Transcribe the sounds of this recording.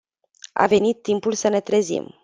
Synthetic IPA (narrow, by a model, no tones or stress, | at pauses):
a̰ve̞nit̪ːimpulsəne̞t̪ɾezḭm